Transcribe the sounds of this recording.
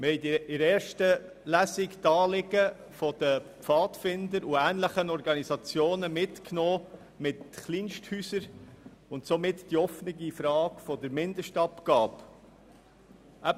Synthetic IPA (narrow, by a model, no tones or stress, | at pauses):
mhɛɪtiɪɾɛːɾʃtə | læsiktɑːlɪɡə | fɔd̥̪əpfɑːtfɪndəɾuæːnləχənɔɾɡɑnizɑt͡sjoːnəmɪtknɔː | mɪtχliːnʃthyːsəɾ | ʊntsomɪtd̥iɔfnɪɡifɾɑːkfɔdəɾmɪndəʃtɑpkɑːp | ʔæb